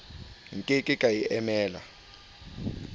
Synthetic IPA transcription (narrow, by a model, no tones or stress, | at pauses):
ŋ̩kʼekʼɪkʼajiʔɛmɛːla̰